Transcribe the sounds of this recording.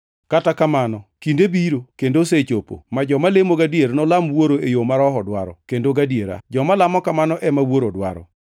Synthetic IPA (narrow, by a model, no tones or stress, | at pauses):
katakamanɔkindebiɾokendoset͡ʃopo̰mad͡ʒɔmalemoɡadjeɾnɔlamwoɾoejomaɾɔɦɔdwaɾɔ̰kendoɡadjeɾa̰d͡ʒɔmalamɔkamanɔʔɛmawoɾodwa̰ɾɔ̰